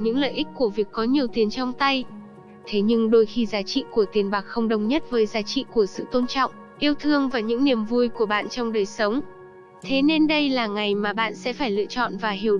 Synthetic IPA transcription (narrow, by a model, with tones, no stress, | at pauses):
ɲɨ̰˧˥ŋlə̰ː˧˨ʔi˦˥k̟̚ku˧˩əvi˨˩əkːɔ˨˦ɲi˨˩əwt̪i˨˩ənt͡ɕɔ˧wŋ͡mt̪a˧j | t̪ʰe˨˦ɲɨ˧ŋɗo˧jxi˧zaː˨˦t͡ɕḭ˧˨ku˧˩ət̪i˨˩ənɓaː˨˩k̚xə˧wŋ͡mɗə˨˧˩wŋ͡mɲə˦˥t̚vəː˨˦jzaː˨˦t͡ɕḭ˧˨ku˧˩əsɨ̰˧˨t̪o˧nt͡ɕɔ̰˧˨wŋ͡m | ʔi˧əwt̪ʰɨ˧əŋvaː˨˩ɲɨ̰˧˥ŋni˨˩əmvu˧jku˧˩əɓa̰ː˧˨nt͡ɕɔ˧wŋ͡mɗəː˨˩jsə˨˦wŋ͡m | t̪ʰe˨˦ne˧nɗə˧jlaː˨˩ŋa˨˩jmaː˨˩ɓa̰ː˧˨nsɛ̰˧˥faː˧˩jlɨ̰˧˨ət͡ɕɔ̰˧˨nvaː˨˩ɦi˨˩ə